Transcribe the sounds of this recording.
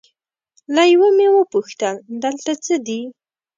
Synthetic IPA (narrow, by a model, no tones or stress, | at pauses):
lajwəmewəpuxt̪əld̪əlt̪at͡səd̪i